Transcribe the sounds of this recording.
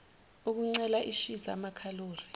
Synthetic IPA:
uk̬uŋ͡ǀɛlaʔiʃiza̰makʰaloːri

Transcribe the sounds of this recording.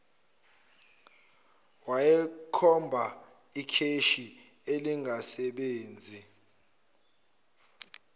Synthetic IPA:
wajɛkʰɔmbʱa | ikʰeʃi | eliŋɡʱasɛɓeːnd͡zʱi

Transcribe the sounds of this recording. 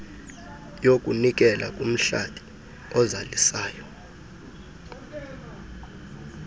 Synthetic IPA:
jokʼunik̬ʼɛla̰kʼum̩ɬad̥ʱi̥ | ɔzalisaːjɔ

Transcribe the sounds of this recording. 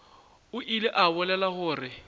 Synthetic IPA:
ʊʔilɪʔaβʊlɛlahʊːrɪ

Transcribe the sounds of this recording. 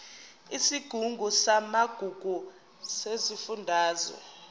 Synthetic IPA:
isiɡ̥ʱuŋɡʱusamaɡ̥ʱuɡ̥ʱu | sezifundʱaːzɔ̰

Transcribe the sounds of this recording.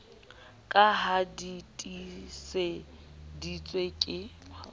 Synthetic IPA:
kʼaɦaditʼisɪdit͡sʼwekʼɪ

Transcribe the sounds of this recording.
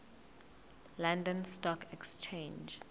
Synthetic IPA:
lãndɔ̃nstɔkʰɛkst͡ʃʰẽnd͡ʒ

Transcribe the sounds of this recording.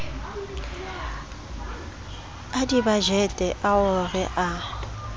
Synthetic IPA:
adibad͡ʒɛtʼɛʔaʊrɪʔa

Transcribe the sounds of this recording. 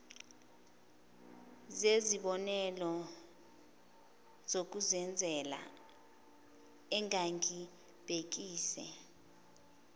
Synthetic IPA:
zeziɓɔnɛlɔ | zok̬uzɛnd͡zʱɛla̰ | ɛŋaŋkʰʼi | b̥ʱek̬iːsɛ̰

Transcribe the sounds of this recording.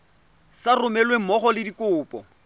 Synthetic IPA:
sarʊmɛlweŋ̩mɔχɔlɪdikʼʊːpʼɔ

